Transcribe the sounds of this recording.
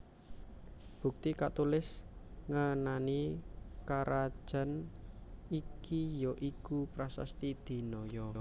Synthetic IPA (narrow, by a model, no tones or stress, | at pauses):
b̥ṳk̚t̪ikat̪ulɪsŋənanikaɾʔad̥ʒ̥a̤n | ikijɔʔikupɾasa̰st̪id̪̥i̤nɔjɔ